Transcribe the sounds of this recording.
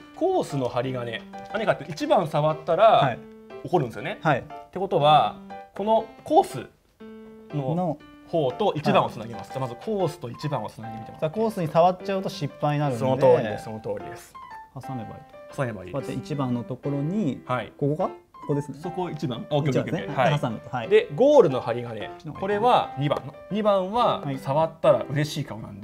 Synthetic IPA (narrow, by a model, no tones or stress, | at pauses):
koːsɨno̞haɾʲiɡanenaɲ̟ikat̪ːeit͡ɕibãɰ̃saβat̪ːaɾahaioko̞ɾɯ̃nesɨjo̞nehait̪ːe̞ko̞t̪oβakʰo̞no̞ko̞ːsɨ̰ | no̞no | ho̞ːt̪o̞ʔit͡ɕibãɰ̃ot͡sɨnaɡʲimasɨ̥mazɨkʰo̞ːsɨ̥t̪o̞it͡ɕibãɰ̃o̰t͡sɨ̥naɡid̪emit̪emasako̞ːsɨɲ̟isaβatt͡ɕaɯ̟t̪o̞ɕipːaiɲinaɾɯsonod̪oːɾid̪esonot̪o̞ːɾʲḭd̪e̞sɨ̥hasameba̰ḭ̥hasakoat̪ːḛit͡ɕibãnːo̞t̪o̞ko̞ɾo̞ɲ̟ihaikokoɡakokod̪e̞sɨnsokoit͡ɕibãoiaesneahasamet̪ohaid̪e̞ɡo̞ːɾɯ̟no̞haɾʲiɡane̞̰kko̞ɾe̞βaɲ̟ibã̰n | ɲ̟ibãɰ̃βahaisaβat̪ːaɾa̰ʔɯ̟ɾe̞ɕiːkaonã̰nd̪e